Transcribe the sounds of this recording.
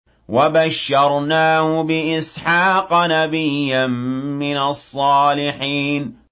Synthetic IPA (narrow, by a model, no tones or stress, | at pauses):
wabaʃːɑɾˤnaːhʊbɪʔɪsħɑːqɑnabɪjːanmɪnɑsˤːɑːlɪħiːn